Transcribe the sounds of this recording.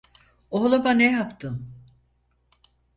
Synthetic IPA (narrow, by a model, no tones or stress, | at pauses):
oɦlˠabanejapt̪ʰɯm